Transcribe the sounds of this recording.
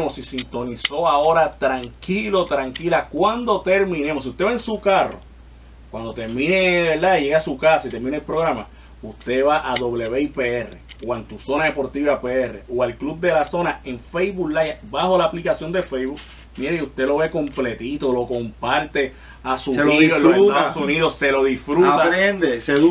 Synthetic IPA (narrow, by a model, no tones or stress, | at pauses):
mosisint̪o̞niso̞ao̞ɾat̪ɾaŋkilo̞t̪ɾaŋkilakwand̪o̞t̪e̞ɾmĩnemos̬iuht̪eβaensukaro̞̰ | kwand̪o̞t̪e̞ɾmĩne̞βeɾd̪aiʝe̞ɣasukasait̪eɾmĩnelpɾo̞ɣɾama | ust̪e̞βaʔaðo̞βle̞βe̞ipeere̞̰oent̪uso̞naðe̞po̞ɾt̪iβapeere̞̰ʔoalklub̚d̪e̞laso̞nae̞ɱfejβuklajabaho̞laːplikasjo̞nd̪e̞fejβuk | miɾeiust̪e̞lo̞βe̞ko̞mple̞t̪it̪olo̞kompaɾt̪e̞ | asuɾoioloset̪aðosuniðosːe̞lo̞ðifɾut̪aɾend̪eseð